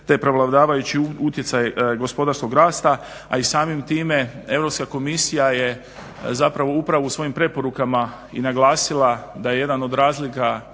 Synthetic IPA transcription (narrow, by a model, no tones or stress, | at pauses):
t̪epɾo̞ʋlˠaʋd̪aːʋajut͡ɕiut̪je̞sajeɡo̞spo̞d̪aɾsko̞ɡɾaːst̪a | a̰isaːmimt̪iːme̞e̞vɾo̞pskako̞misijaje̞ | zapɾaʋo̞upɾaʋuːsʋo̞jimpɾe̞po̞ɾukama | ḭnaɡlˠaːsilˠad̪aje̞je̞d̪ano̞d̪ɾaːzlika